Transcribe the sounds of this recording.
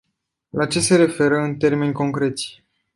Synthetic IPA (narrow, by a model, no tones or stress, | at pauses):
lat͡ʃe̞se̞ɾe̞fe̞ɾəɨnt̪e̞rme̞nʲko̞ŋkɾe̞t̪sʲ